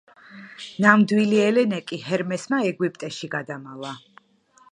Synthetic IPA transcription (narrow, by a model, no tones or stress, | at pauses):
namd̪wiliɛlɛnɛkʼihɛɾmɛsmaɛɡwipʼt̪ʼɛʃiɡad̪amalˠa